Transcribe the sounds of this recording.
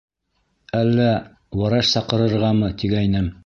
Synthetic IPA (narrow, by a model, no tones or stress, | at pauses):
ælːæ | wɑɾɑʃsɑqɤ̆ɾɤ̆ɾʁɑmɤt̪iɡæjnæm